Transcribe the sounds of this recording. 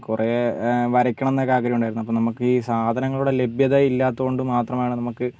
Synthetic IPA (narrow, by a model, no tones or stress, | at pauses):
kureʋɐɾɐkʲːɐɳɐenːakːaːkɐɾjmuɳɖaːjiɾunːɐpːomnɐmukːɨiːsaːd̪ʱɐnɐŋːɐɭuɽe̞le̞bjɐðɐilːaːt̪ːuko̞ɳɖɨmaːt̪rɐmaːɳɨnɐmukːɨ